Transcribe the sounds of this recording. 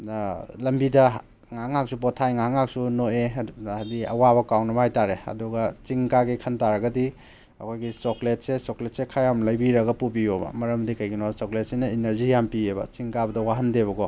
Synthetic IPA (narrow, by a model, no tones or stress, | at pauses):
lɐmbidɐ | ŋaŋak̚supɔtʰajŋaɦŋak̚sunoediɐ̰waβɐkawnɐmajtaɾeɐ̰duɡɐt͡ʃiŋkaɡikʰɐntaɾɐɡɐdi | hɐ̰kʰojɡisoklet̚sesoklet̚sekʰajamlɐjbiɾɐɡɐpubijobɐ̰mɐɾɐmdikɐjɡinosoklet̚sinɐinɐɾzijampiebɐ̰t͡ʃiŋkabɐdɐwaɦɐndeβɐɡɔ